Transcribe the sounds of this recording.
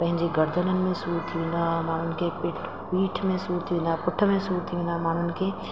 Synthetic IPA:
pɐ̃ɦɪ̃ɲd͡ʒeɡɐɾd̪ʱənənmẽsuːɾt̪ʰinamaːnənkepɪʈ | piːʈʰmẽsuːɾt̪ʰinapʊʈʰːəmẽsuːɾt̪ʰinamaːnənke

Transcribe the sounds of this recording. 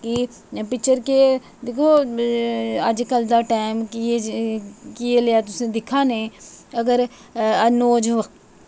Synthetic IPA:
ki | pɪkt͡ʃəɾke | d̪eːkʰoː | əd͡ʒkəld̪aːʈaːɪmkː | kieleaːt̪ʊsẽːd̪ɪkʰaːnẽːəɡəɾ | ənoːd͡ʒʋə

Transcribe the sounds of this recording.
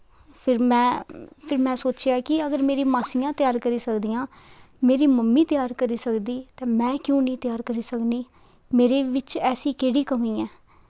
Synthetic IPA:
pʰɪɾmɛ̃ːpʰɪɾmɛ̃ːsoːt͡ʃjaːkɪəɡəɾmeːɾiːmaːsiːjãːt̪ɪjaːɾkəɾiːsəkd̪iːãː | meːɾiːməmːiːt̪ɪjaːɾkəɾiːsəkd̪iːt̪ɛ̃ːmɛ̃ːkjõːnĩːt̪ɪjaːɾkəɾiːsəkniː | meːɾeːʋɪt͡ʃɛːsĩːkeːɽiːkəmiːɛː

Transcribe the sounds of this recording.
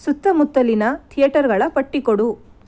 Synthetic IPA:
sut̪ːɐmut̪ːɐlinɐt̪ʰijɐʈɐɾɡɐɭɐpɐʈːikoɽu

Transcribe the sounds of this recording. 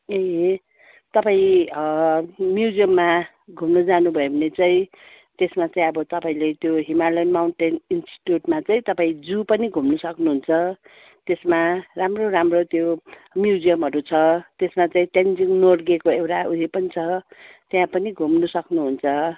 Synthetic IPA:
eɦe | t̪ʌpaĩʌmjud͡zijʌmːa | ɡʱumnʌd͡zanubʱʌebʱʌnet͡saĩ | t̪esmat͡saĩʌbʌt̪ʌpaĩlet̪joɦimalʌnmawnʈeninsʈi̥ʈjuʈmat͡saĩt̪ʌpaĩd͡zupʌniɡʱumnʌsʌknuɦunt͡sʰʌ | t̪esmaramroɾamrot̪jo | mjud͡zijʌmɦʌɾut͡sʰʌt̪esmat͡saĩʈend͡ziŋnorɡekoewɾauɦepʌnit͡sʰʌt̪jãpʌniɡʱumnʌsʌknuɦunt͡sʰʌ

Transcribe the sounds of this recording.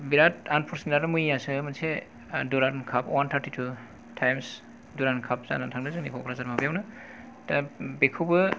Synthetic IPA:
biɾatanpʰɔɾsindaɾamujasɯmansʰe | duɾankʰapwantʰaɾtʰitʰu | tʰajms | duɾankʰap̚za̰natʰaŋdɯzɯnipʰɔkʰɾazaɾmabjawnɯ | tabekʰubɯ

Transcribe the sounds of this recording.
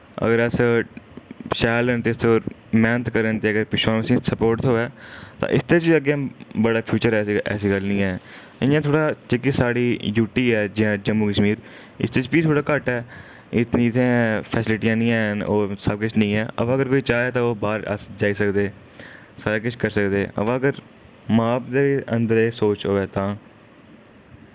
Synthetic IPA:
ə̰ɡəɾəs | ʃɛːlənt̪eːst̪ʰeoː | mɛːnt̪kəɾənt̪eːəɡəɾpɪʃaːəsĩːsəpoːɾʈt̪ɦoːɛːt̪ã̰ːʔɪst̪eːt͡ʃːəɡeãːbəɽaːpʰjuːt͡ʃəɾɛːsiɛ̰ːsiːɡəlnĩːɛː | ɪjãːt̪ʰoːɽaːt͡ʃɪkiːsaːɽiːjuːʈiːɛːd͡ʒɪjãːd͡ʒəmːuːkəʃmiːɾ | ɪ̰st̪eːt͡ʃbiːt̪ʰoːɽaːkəʈɛː | ɪt̪nĩːɪt̪ʰẽːpʰɛːsɪlɪʈijãːnĩːɛːɦnoːsəb̚kʊt͡ʃʰnəĩːɛːə̰pãːəɡəɾkoːiːt͡ʃaːɛːt̪ãːoːbaːɾə̰sd͡ʒaːiːsəkd̪eː | saːɾaːkʊt͡ʃʰkəɾsəkd̪eːə̰bãːəɡəɾ | maːpd̪eːiə̰̃nd̪əɾeːsoːt͡ʃɦoːʋeːt̪ãː

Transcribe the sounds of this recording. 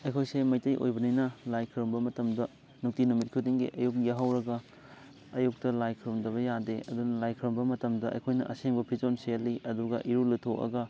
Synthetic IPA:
ɐjkʰojsemɐjtɐjʔo̰jbɐninɐlajkʰɾombɐmɐtɐmdɐ | nuk̚tinumit̚kʰudiŋɡḭʔɐjuk̚jaɦɐwɾɐɡɐ | ɐjuk̚tɐlajkʰɾomdɐβɐjadeɐ̰dunɐlajkʰɾombɐmɐtɐmdɐʔɐ̰jkʰojnɐʔɐseŋbɐpʰid͡ʒonselːiʔɐduɡɐʔiɾulitʰokɐ̰ɡɐ

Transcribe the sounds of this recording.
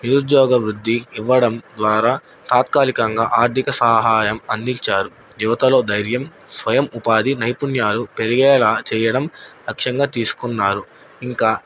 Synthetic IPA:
niɾud̪jɔːɡɐʋɾud̪ʱːiiʋːɐɽɐmd̪ʋaːɾaː | t̪aːt̪kaːlikɐŋɡaːʔaːɾt̪ʰikɐsɐːɦaːjɐmɐnd̪iɲt͡ʃaːɾu | juʋɐt̪ɐlo̞ːd̪ɐjɾjɐm | sʋɐjɐmupaːd̪inɐjpunjaːlupe̞ɾiɡɛːlaːt͡ʃɛːjɐɽɐmlɐkʂɐŋɡaːt̪iːsu̥kunːaːɾu | iŋkaː

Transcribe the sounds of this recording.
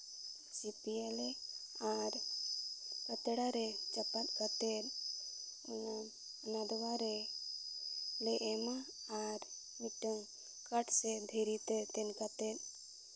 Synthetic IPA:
sipielɛaɾ | kət̪ɛɽaɾɛt͡ʃapat̪̚kat̪ɛt̪ | na | nad̪ɔwaɾɛ | lɛʔɛma | aɾ | miʈəŋ | kaʈʰsɛd̪ʱeɾit̪ɛt̪ɛnkat̪ɛt̪

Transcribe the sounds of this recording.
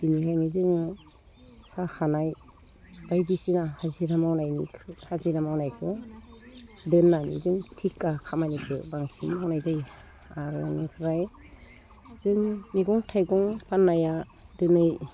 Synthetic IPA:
b̥inihajnizɯŋ | saxʰanaj | b̥ajdisinahaziɾamawnajnikʰɯhaziɾamawnajkʰɯ | dɯnːanḭzɯŋtʰikːakʰamanikʰɯ̰baŋsimawnajzaj | aɾɯnɯkʰɯɾaj | z̥ɯŋmiɡɔŋtʰajɡɔŋpanːaja | dɯnɯj

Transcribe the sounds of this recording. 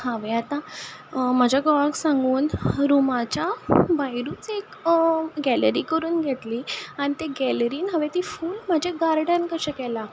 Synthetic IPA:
haʋeat̪ã | m̤ad͡ʑʱjaɡɔʋaksãŋɡuːnɾumat͡ɕabajɾuːt͡sek | ɡɛlɾiːkəɾuːnɡʱeʈ̪liːañit̪eɡɛləɾiːnɦaʋet̪iːfuːlm̤ad͡ʑʱeɡaɾɖankəɕə̃kɛla

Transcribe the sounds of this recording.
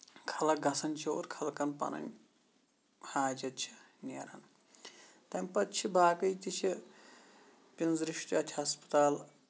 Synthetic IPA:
kʰɐlɐɡɐsɐnʲt͡ʃʰio̰ːɾkʰɐlkɐnpɐ̰nɐ̰nʲ | haːd͡ʒɐt̪̚t͡ʃʰi̥ | nʲeːɾɐ̰n | t̪ɐmʲpɐt̪t͡ʃʰibʱaːkɐjt̪ʲit͡ʃʰi | pʲinzɾiʂʈiɐt̪ʲʰiɦɐspɐ̥t̪aːl

